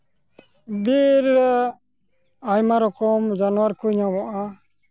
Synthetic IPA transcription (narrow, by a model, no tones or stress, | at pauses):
biɾ | ajmaɾɔkɔmd͡ʒanɔwaɾkuɲawɔʔa